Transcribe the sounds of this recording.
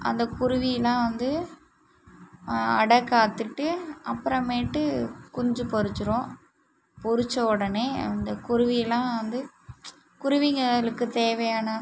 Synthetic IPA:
ɐ̰nd̪ɐkʊɾʊʋɪjɐlãːʋɐnd̪ɯ | ɐɽɐkːaːt̪ːɯʈːɯɐpːɯɾɐ̃meːʈːɯkɔɲd͡ʒɯpɔɾɯt͡ʃːɯɾõː | pɔɾɯt͡ʃːɐɔɽɐneːɐ̰nd̪ɐkʊɾʊʋɪjɐlãːʋɐnd̪ɯ | kʊɾʊʋɪŋɡɐɭɯkːɯt̪eːʋɐjaːnɐ

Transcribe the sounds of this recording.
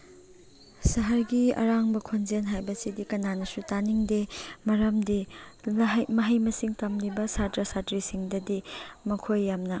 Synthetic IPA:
sɐɦɐɾɡiɐ̰ɾaŋbɐkʰonzenɦajbɐsidikɐnanɐsutaniŋdemɐɾɐmdi | ɦmɐɦɐjmɐsiŋtɐmlibɐsatɾɐsatɾisiŋdɐdimɐkʰojːamnɐ

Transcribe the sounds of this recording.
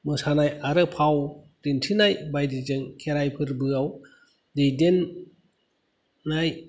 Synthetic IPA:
mɯsanajaɾɯpʰaw | d̥intʰinajbajdizɯŋkʰeɾajpʰɯɾbɯaw | dejden | aj

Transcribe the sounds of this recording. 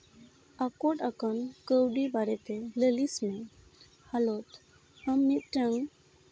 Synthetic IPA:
akɔʈakankəwɖibaɾɛt̪ɛləlismɛ̃ | halɔt̪ | əmːit̪̚ʈəŋ

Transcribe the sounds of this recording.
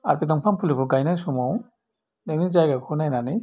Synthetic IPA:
aɹpid̪ɔmpʰanpʰulibuɡajnajsɔmɔw | nenid͡ʒajɡakʰɔnajnani

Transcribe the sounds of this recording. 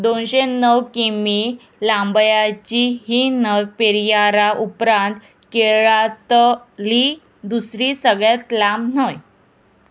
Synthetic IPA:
d̪onɕenəwkimi | lambjat͡ɕiɦiːnəʋpeɾijaɾaʔupɾãnt̪ | keɭat̪liː | d̪usɾiːsəɡɭjat͡s̪lamnəj

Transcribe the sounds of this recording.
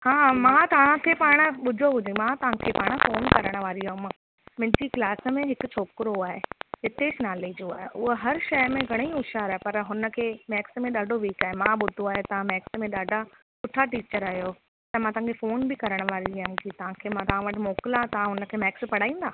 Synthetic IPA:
hãːmãt̪ɐʋ̤ãkʰeːpaːɽ̃ə̆ɓʊd̪ʱoɦʊd͡ʑʱẽmãt̪ɐʋ̤ãkʰeːpaːɽ̃əfoːnkɐɾəɽ̃̆ʋaːɾiɦʊm | mɪ̃d͡ʑiklaːsəmẽɦɪkʊt͡ɕʰoːkɪɾoaːɦeɦɪt̪et͡ɕnaːled͡ʑoːaːɦeʔʊɦoɦɐɾʃɐjmẽɡʱɐɽ̃eiʊʃaːɾaːepɐɾɦʊnə̆kʰeːmɛːksmẽɗaːɖʱoʋiːkaːɦemãɓʊd̪ʱoaːjot̪ɐʋ̤ãmɛːksmẽɗaːɖʱa | kʊʈʰaʈiːt͡ɕəɾaːɦjo | t̪ɐmãt̪ɐɦãkʰefoːnbɪkɐɾəɽ̃ʋaːɾimkit̪ɐʋ̤ãkʰeːmãt̪ɐʋ̤ãʋɐʈɪmoːkɪlat̪ɐʋãɦʊnə̆kʰeːmɛːkspɐɽ̤aːĩːn̆d̪aː

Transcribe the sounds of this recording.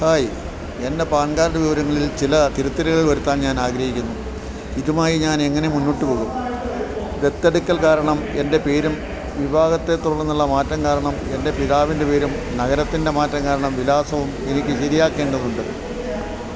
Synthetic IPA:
t̪aːji | e̞nde̞paːɳɡaːɾɾɐʋiʋɐɾɐŋːɐɭilt͡ɕilɐt̪iɾut̪ːɐɾuɣɐɭiɭʋɐɾut̪ːaːnɲaːnaːɡɾɐhikʲːunːu | iðumaːjiɲaːne̞ŋːɐne̞munːiʈːupoːɣunːu | d̪e̞t̪ːeɽukʲːɐlkaːɾɐɳɐme̞nde̞pe̞ːɾum | ʋibʱaːɣɐt̪ːe̞t̪ːuɭːɐnːuɭːɐmaːtːɐŋkaːɾɐɳɐme̞nde̞piðaːʋinde̞pe̞ːɾum | nɐɣɐɾɐt̪ːinde̞maːtːɐŋkaːɾɐɳɐmʋilaːsɐʋume̞nikʲːɨɕɐɾijaːkːe̞ːɳɖɐðuɳɖɨ̰

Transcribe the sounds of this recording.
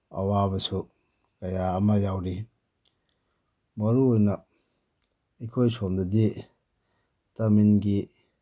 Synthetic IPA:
ɐ̰wabɐsu | kɐjaːmɐjawɾi | mɐɾuojnɐ | ikʰojsomdɐdi | taminɡi

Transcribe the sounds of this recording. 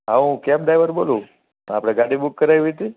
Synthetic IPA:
ɦãũkab̚d̪ajʋəɾbolu | apɽ̃aɡaɽibukːəɾajʋit̪i

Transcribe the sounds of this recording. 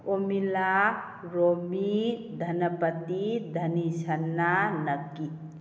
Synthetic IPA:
omila | ɾomid̪ʱənəpət̪id̪ʱənisənːanəkːi

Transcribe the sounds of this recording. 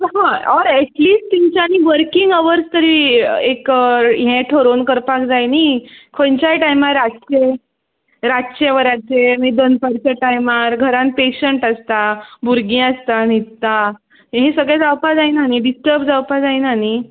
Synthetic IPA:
ɦãɔɾeʈliːsʈt̪iɲt͡ɕaniʋəɾkiŋɡəʋəɾst̪əɾiːekɦẽʈʰoɾonkəɾpakd͡zajnikʰont͡ɕaʈajmaɾːat͡ɕe | ɾaɕeʋəɾat͡semid̪ənpaɾt͡ɕaʈajmaɾɡʱəɾãn̚peɕəɳʈast̪abuɾɡĩast̪anit̪ːa | ɦẽsəɡɭẽd͡zawpad͡zajnaniɖisʈəɾbd͡zawpad͡zajnani

